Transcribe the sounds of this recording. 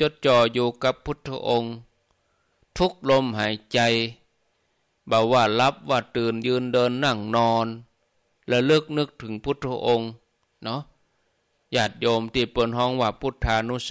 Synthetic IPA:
t͡ɕo˧˥t̪̚t͡ɕɔː˧˩juː˧ka˧˥pʰːu˧˥˩t̪̚pʰːa̰˧ʔo˧ŋ | t̪ʰu˦˥k̚lo˧mɦaː˨˦jt͡ɕa˧j | baː˨˧˩waː˧˩la˧˦˥p̚waː˧˩t̪ɯː˨˩njɯː˧ndɤː˧nːa˧˩ŋnɔː˧n | lɛ˧˩lɯ˧˥˩k̚nɯ˧˥k̚t̪ʰɯ˨˩˦ŋpʰu˧˥˦t̪̚pʰa˧ʔo˧ŋ | nɔ˧˦˥ | jaː˧˩t̪̚joː˧mt̪iː˧˩peː˨˩nɦɔː˧˥˨ŋwaː˧˩pʰu˧˥˩t̪ʰːaː˧nu˧˥˨s

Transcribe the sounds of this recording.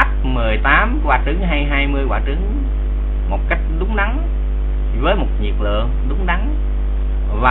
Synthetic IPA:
p̚mɨ˨˩əjt̪aː˨˦mkwaː˨˩t͡ɕɨ˨˦ŋɦaː˧jɦaː˧jmɨ˧əjkwaː˧˩t͡ɕɨ˨˦ŋ | mo˨˩t̚ka˦˥jk̚ɗʊ˨˦ŋ͡mɗa˨˦ŋ | vəː˨˦jmo˨˩t̚ɲḭ˨˩ək̚lɨ̰˧˨əŋɗʊ˨˦ŋ͡mɗa˨˦ŋ | vaː˨

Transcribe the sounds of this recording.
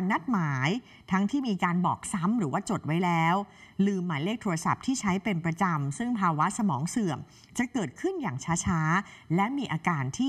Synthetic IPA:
nːa˦˥t̪̚maː˩˦j | t̪ʰa˦˥ŋt̪ʰiː˥˩miː˧kaː˧nbɔː˨˩k̚sa˦˥mɾɯː˩˦waː˥˩t͡ɕo˨˩t̪̚wa˦˥jlɛː˦˥wlɯː˧mːaː˩˦jleː˥˩k̚t̪ʰoː˧ɾa˧sa̰˨˩p̚t̪ʰiː˥˩t͡ɕʰa˦˥jpe˧npɾa˧t͡ɕa˧msɯ˥˩ŋpʰaː˧wa˦˥sa˧mɔː˩˦ŋsɯ˨˩əm | t͡ɕa˨˩ʔkɤː˨˩t̪̚kʰɯ˥˩njaː˨˩ŋt͡ɕʰaː˦˥t͡ɕʰaː˦˥lɛ˦˥miː˧ʔaː˧kaː˧nt̪ʰiː˥˩

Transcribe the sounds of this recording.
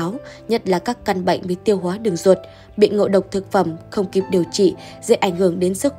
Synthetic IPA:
aː˨˦wɲə˦˥t̚laː˨˩kaː˦˥kːa˧nɓa̰˧˨jŋ̟vəː˨˦t̪i˧əwɦwaː˨˦ɗɨ˨˩əŋzwə˨˩t̚ | ɓḭ˧˨ŋo̰˧˨ɗə˨˩wk͡p̚t̪ʰɨ˨˩k̚fə˧˩mxə˧wŋ͡mki˨˩p̚ɗi˨˩əwt͡ɕḭ˧˨ | zḛ˧˥ʔa˧˩jŋ̟hɨ˧˩əŋɗe˨˦nsɨ˦˥k̚

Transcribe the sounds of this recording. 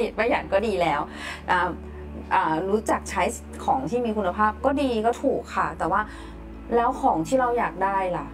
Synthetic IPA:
i˨˩ma˧˩jaː˨˩ŋkɔː˥˩diː˧lɛː˦˥w | ʔaː˧˩ | ʔaː˨˩ɾuː˦˥t͡ɕa˨˩k̚t͡ɕʰa˦˥j | kʰɔː˩˦ŋt̪ʰiː˥˩miː˧kʰu˧nːa˧pʰaː˥˩p̚kɔː˥˩diː˧kɔː˥˩t̪ʰuː˨˩kʰːa˥˩t̪ɛː˨˩waː˥˩ | lɛː˦˥wkʰɔː˩˦ŋt̪ʰiː˥˩ɾa˧wjaː˨˩k̚daː˥˩jla˨˩ʔ

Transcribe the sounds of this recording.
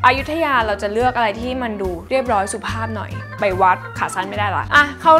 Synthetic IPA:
ʔaː˧ju˦˥t̪ʰːa˧jaː˧ɾa˧wt͡ɕa˨˩lɯ˥˩ək̚ʔa˧ɾa˧jt̪ʰiː˥˩ma˧nduː˧ɾi˥˩əp̚ɾɔː˦˥jsu˨˩pʰaː˥˩p̚nɔ̰˨˩j | pa˧jwa˦˥t̪̚kʰaː˨˩saː˦˥˩nma˥˩jdaː˥˩jla̰˧˩k̚ʔa˧˩kʰa˥˩

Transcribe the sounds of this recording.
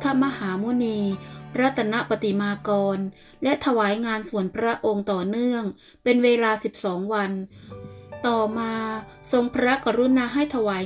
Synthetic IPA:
t̪ʰa˦˥ma˧haː˩˦muː˧˦˥niː˧pʰɾa˦˥t̪ʰːa˧na˦˥ʔpa˧t̪i˨˩maː˧kɔː˧n | lɛ˦˥t̪ʰa˧waː˩˦jŋaː˧nsu˨˩ənpʰɾa˦˥ʔo˧ŋt̪ɔː˨˩nɯ˥˩əŋ | pe˧nweː˧laː˧si˨˩p̚sɔː˩˦ŋwa˧n | t̪ɔː˨˩maː˧ | so˧ŋpʰɾa˦˥ka˧ɾu˧˦˥naː˧ɦa˥˩jt̪ʰa˧waː˨˩˦

